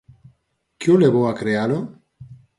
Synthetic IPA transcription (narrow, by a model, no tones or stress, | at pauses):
kjoleβoakɾealo